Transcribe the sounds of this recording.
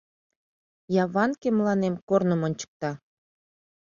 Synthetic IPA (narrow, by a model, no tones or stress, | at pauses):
jɑβɑnkeməlɑnemkornəmonʲt͡ɕə̥k̚t̪ɑ